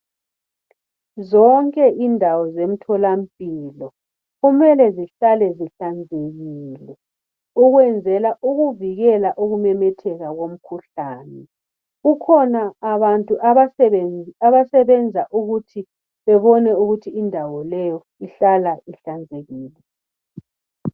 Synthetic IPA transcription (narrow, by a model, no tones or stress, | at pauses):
zɔŋkʼɛʔindʱawɔzem̩tʰɔlam̩pʼilɔ | ɣumɛlɛziɬalɛziɬand͡zʱeɣiːlɛ | uɣwɛnd͡zʱɛlaʔuɣuviɣɛlaʔuɣumɛmɛtʰɛɣaɣom̩kʰuɬaːnɛ | ɣukʰɔnaːβantʼuʔaaɛɛaβasɛβɛnd͡zʱaʔuɣutʰi | βɛβɔnɛuɣutʰiːndʱawɔlɛjɔ | iɬalaʔiɬand͡zʱeɣiːlɛ